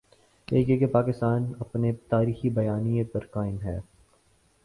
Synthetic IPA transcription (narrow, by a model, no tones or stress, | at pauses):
eːkekepaːkɪst̪aːnɐpnet̪aːɾiːxibɐjaːnijẽpɐɾkaːɪnɦɛ̰ː